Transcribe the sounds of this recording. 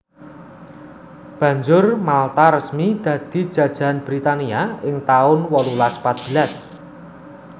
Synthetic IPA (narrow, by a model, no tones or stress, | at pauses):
b̥ä̤ɲd͡ʒʊrmalt̪aɾəsmid̪̥ä̤d̪̥i̤̥ʒ̥ä̤d̥ʒ̥a̤nb̥ɾit̪aniaɪŋt̪aʊnwɔlulaspat̪̚b̥ə̤las